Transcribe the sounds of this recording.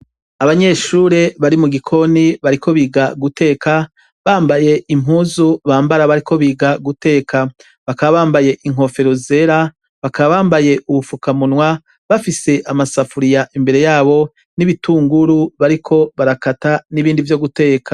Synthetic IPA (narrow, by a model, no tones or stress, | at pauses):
aβaɲe̞ʃuːɾe̞βaɾimuɡikʰo̞niβaɾiko̞βiɡaɡute̞ːka | βaːmbaje̞ʔim̥uːzuβaːmbaɾaβaɾiko̞βiːɡaɡute̞ːkʰa | βakaβaβaːmbaje̞ʔiŋ̥ɦo̞fe̞ɾoze̞ɾa | βakaβaβaːmbaje̞ʔuβufukamunwa | βafise̞ʔamasafuɾijaʔimbe̞ɾe̞jaːβo̞ | niβituːŋɡuɾuβaɾikʰo̞βaɾakataniβiːndivjo̞ɡute̞ːkʰḁ